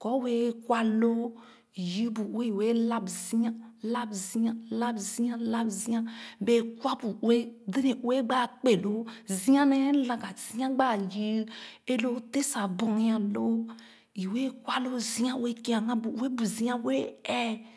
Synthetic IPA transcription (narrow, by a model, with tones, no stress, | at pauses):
kɔ˨˦we˦kwa˦lo˦˨ | ji˦bu˨˦e˦i˨we˦la˦bzi˦ã˦la˦bzi˦a˦la˦bzi˦ã˦la˦bzĩ˦ã˦be˨kwa˦bu˨˦e˦de˦ne˨˦e˦ɡ͡ba˦˨k͡pe˨lo˦zi˦ã˦nɛ˦lã˨ɡa˨zi˦ã˦ɡ͡ba˦˨ji˦e˦lo˦te˦sa˨bɔ˨n˦ã˨lo˦ | i˨we˦kʷa˦lo˦zi˦ã˦we˦ki˦ã˨ŋã˦bu˨˦e˦bu˨zĩ˦ã˦we˦ɛ˦